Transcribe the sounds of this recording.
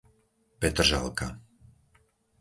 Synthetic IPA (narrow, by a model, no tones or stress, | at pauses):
pɛt̪r̩ʒa̰lka